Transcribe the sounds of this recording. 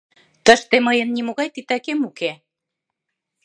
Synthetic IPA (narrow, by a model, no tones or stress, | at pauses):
t̪əʃt̪eməjənːimoɣɑjt̪it̪ækemuke